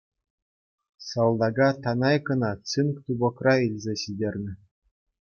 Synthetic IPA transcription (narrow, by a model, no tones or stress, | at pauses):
sɑlˠd̪ɑɡɑt̪ɑnɑjkɤ̆nɑt͡sɨnkt̪ubŏkrɑilʲzʲeɕidʲerʲnʲɘ̆